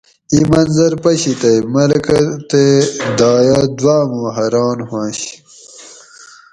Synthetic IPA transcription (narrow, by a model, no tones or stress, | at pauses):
imɐnzɐɾpɐɕit̪ɐjmɐɾkɐt̪ed̪ɑːjaːd̪waːmoːɦɐɾɑːnhwãːɕ